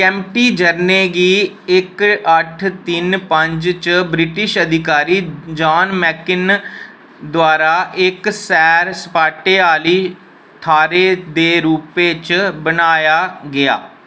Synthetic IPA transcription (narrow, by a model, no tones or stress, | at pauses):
kɛ̃ːmʈiːd͡ʒəɾneːɡiː | ɪkəʈʰt̪ɪnpəɲd͡ʒt͡ʃbɾɪʈɪʃəd̪ɪkaːɾiːd͡ʒaːnmɛːkɪn | d̪ʊaːɾaːʔɪksɛːɾsə̥paːʈeːaːliː | t̪ʰaːɾeːd̪eːɾuːpeːt͡ʃbənaːjaːɡɪja̰ː